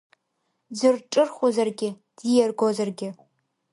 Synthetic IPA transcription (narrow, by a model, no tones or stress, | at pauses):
zɨrʈ͡ʂʼɨrχʷʊzɐrɡʲɪ | d̥ijɛrɡʷozɐrɡʲɪ